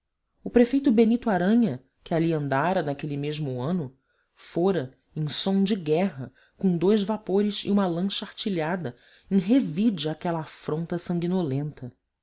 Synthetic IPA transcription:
ʊpɾefejt̪ʊbenit̪uaɾɐ̃ɲɐ | kʲɪaliɐ̃nd̪aɾɐnakelimeʒmʊɐ̃nʊ | foɾɐ | ẽj̃sõw̃d͡ʒɪɡɛɦɐ | kõd̪ojzvapoɾɪzḭũmɐlɐ̃ʃaht͡ʃiʎad̪ɐ | ẽj̃ɦevid͡ʒiakɛlɐːfɾõnt̪ɐsɐ̃ŋɡinolẽnt̪ɐ

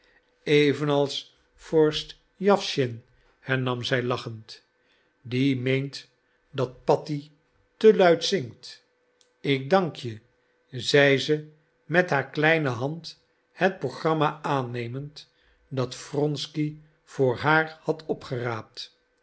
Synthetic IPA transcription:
ejvənɑlˠs | fɔɹst | jɑfʃɪn | hɛɹnɑmzɛjlɑχənt | dimejnt | dɑt̚pɑti | təlœɥtsɪŋkt | ɪk̚dɑŋkʰjə | zɛjzə | mɛtɦaːɹklɛjnəɦɑnt | hɛt̚proχrɑmaaːnejmənt | dɑtfrɔnski | v̥ʊːɹɦaːrhɑtʰɔpχəraːp̚t

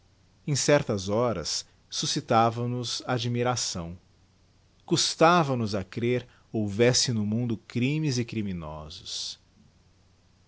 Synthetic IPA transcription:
ẽj̃sɛɾt̪ɐzɔɾɐ̰sː | usit̪avɐnʊzaad͡ʒimiɾasɐ̃w̃ | kust̪avɐnʊzɐkɾeɾ | owvɛsɪnʊmũnd̪ʊkɾĩmɪzɪkɾimĩnɔ̰zʊs

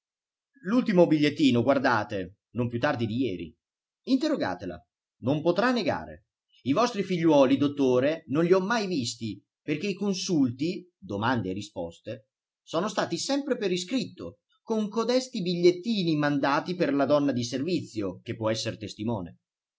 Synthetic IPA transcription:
lult̪imobiʎːet̪ːiːnoɡward̪aːt̪e | nompjut̪ːard̪id̪ijɛːɾḭ | int̪erːoɡa̰ːt̪ela̰ | nompot̪ɾanːeɡa̰ːɾḛ | ivɔst̪ɾifiʎːwɔːlid̪ot̪ːoːɾenonʎiɔmːajvist̪i | perk̟eikonsult̪i | d̪omand̪eːrispɔ̰st̪e | soːnost̪aːt̪isɛmpɾepeɾiskɾit̪ːo | koŋkod̪ɛst̪ibiʎːet̪ːiːnimand̪aːt̪iperlad̪ɔnːad̪iservit̪sːjok̟epːwɔɛsːeɾet̪est̪imɔːnḛ

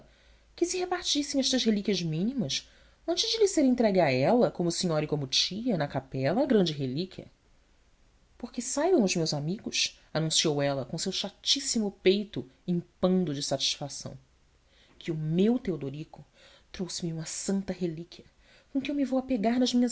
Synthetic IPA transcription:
kɪsɪhepaɾt͡ʃisẽj̃ɛʃt̪ɐzɦelikʲiɐzmĩnimɐs | ɐ̃nt͡ʃɪd͡ʒɪlɪseɾẽnt̪ɾɛɡɪaɛlɐkõmʊsĩɲɔɾɐɪkõmʊt͡ʃiɐnɐkapɛlɐːɡɾɐ̃nd͡ʒɪɦelikʲiɐ̰ | poχkɪsajbɐ̃w̃ʊzmewzamiɡʊs | anũsiowɛlɐkõsewʃat͡ʃisimʊpejt̪ʊĩpɐ̃nd̪ʊd͡ʒɪsat͡ʃi̥ʃfasɐ̰̃w̃ | kʰɪʊmewt̪eod̪oɾikʊ | t̪ɾowsɪmɪũmɐsɐ̃nt̪ɐɦelikʰʲiɐ | kõkɪewmɪvowɐpeɡaɾnɐzmĩɲɐ

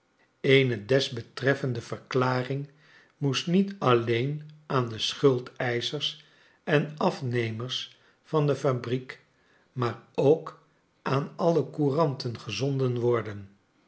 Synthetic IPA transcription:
ejnədɛzbətrɛfəndəvərklaːrɪŋ | musnitɑlejnʔaːndəsχɵlˠtɛjzərs | ɛnɑfnejməɹs | fɑndəfabrik | maːɹowk | ʔaːnɑləkurɑntənχəzɔndənʋɔɹdən

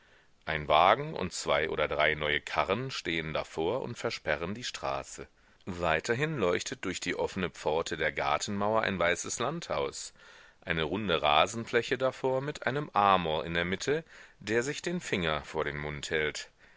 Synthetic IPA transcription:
ʔaɪnvaːɡŋ̩ʊ̰ntt͡sv̥aɪʔo̰ːdɐdʁaɪnɔʏəkʰaʁənʃteːənda̰foːɐʔʊ̰ntfɛɐʃpɛʁ̞əndiːʃtʁ̥a̰ːsə | vaɪtʰɐɦɪnlɔʏçtʰət̚d̥ʊɐçd̥iːʔɔfənəp͡fɔɐtʰədeːɐɡa̰ɐtn̩maʊɐʔa̰ɪnvaɪsəslanthaʊsʔaɪnəʁʊndəʁaːzn̩flɛçədafoːɐmɪtʔa̰ɪnəmʔaɐmɔɐʔɪ̰ndeːɐmɪtʰəd̥eːɐzɪçd̥eːnfɪŋɐfoːɐɾeːnmʊnthɛlt

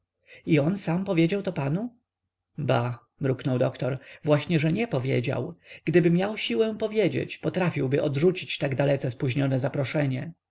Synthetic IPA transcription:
iɔnsampɔvʲjed͡ʑawt̪ɔpanu | ba | mɾuknɔwd̪ɔkt̪ɔɾvwaɕɲɛʐɛɲɛpɔvʲjḛd͡ʑa̰wɡ̥d̪ɘbɘmʲjawɕiwɛpɔvʲjed͡ʑḛt͡ɕpɔt̪ɾafʲiwbɘʔɔd̪ʐut͡ɕit͡ɕt̪aɡd̪alɛt̪sɛspuʑɲɔnɛzapɾɔʂɛɲɛ

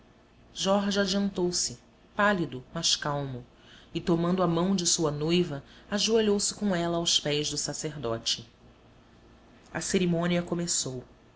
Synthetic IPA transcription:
ʒɔɾʒad͡ʒiɐ̃nt̪owsɪ | palid̪ʊmaʃkawmʊ | ɪt̪omɐ̃nd̪ʊɐmɐ̃w̃d͡ʒɪsuɐnojvɐaʒueʎowsɪ̥kõɛlɐawspɛjzd̪ʊsaseɾd̪ɔ̰t͡ʃɪ | ɐ̰seɾimõniɐkomesow

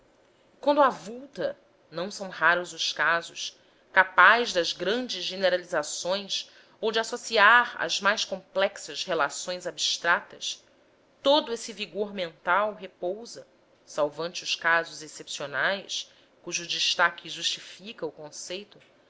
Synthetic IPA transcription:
kwɐ̃nd̪ʊavuwt̪ɐ | nɐ̃w̃sɐ̃w̃ɦaɾʊzʊʃkazʊs | kapajzd̪ɐzɡɾɐ̃nd͡ʒɪzʒeneɾalizasõj̃s | owd͡ʒɪasosiaɾɐ̰zmajʃkõmplɛksɐzhelasõj̃zabiʃt̪ɾat̪ɐs | t̪od̪ʊesɪviɡoɾmẽnt̪awɦepowzɐ | sawvɐ̃nt͡ʃɪʊʃkazʊzesepsionajs | kuʒʊd͡ʒiʃt̪akʲʰɪʒuʃt͡ʃifikɐʊkõsejt̪ʊ

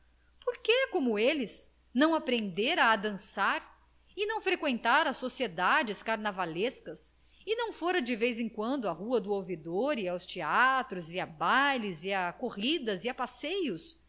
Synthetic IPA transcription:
poɾkekõmʊelɪz | nɐ̃w̃apɾẽnd̪eɾɐːd̪ɐ̃saɾ | ɪnɐ̃w̃fɾekwẽnt̪aɾɐsosied̪ad͡ʒɪskaɾnavaleskɐs | ɪnɐ̃w̃foɾɐd͡ʒɪvejzẽŋkwɐ̃nd̪ʊɐhuɐd̪ʊowvid̪oɾiawst͡ʃiat̪ɾʊzɪabaliziakoʁid̪ɐziapasejʊs

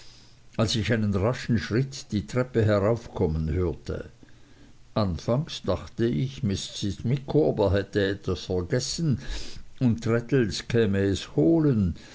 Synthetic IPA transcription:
alsɪçaɪnənʁaʃn̩ʃʁ̥ɪtd̥iːtʁ̥ɛpəɦɛʁaʊfkʰɔmənhøːɐtʰə̰ | ʔanfaŋsd̥aχtəɪçmɪst͡sɪsmɪkʰːoːbəɦɛtəɛtvasfɛɐɡɛsn | ʊntʁɛtl̩skʰɛːməɛshoːlən

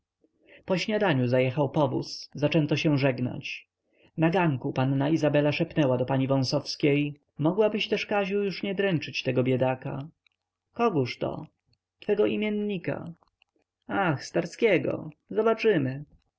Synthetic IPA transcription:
pɔɕɲad̪aɲuzajɛxawpɔvṵszat͡ʂɛnt̪ɔɕɛw̃ʐɛɡna̰t͡ɕ | naɡaŋkupanːaizabɛlaʂɛpnɛwad̪ɔpaɲivɔ̃w̃sɔfskʲej | mɔɡwabɘɕt̪ɛʂkaʑujuʂɲɛd̪ɾɛnt͡ʂɘt͡ɕt̪ɛɡɔbʲjɛd̪aka̰ | kɔɡuʂt̪ɔ̰ | t̪fɛɡɔʔimʲjɛnːika̰ | axst̪aɾskʲɛɡɔ̰zɔbat͡ʂɘmɘ

